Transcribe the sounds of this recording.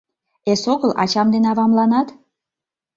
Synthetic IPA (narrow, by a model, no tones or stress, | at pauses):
esoɣəlʔɑ̰t͡ɕɑmd̪enɑβɑmlɑnɑt̪